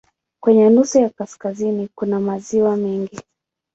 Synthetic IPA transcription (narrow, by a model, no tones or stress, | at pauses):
kwɛɲɛnusujakaskazinikunamaziwamɛŋɡi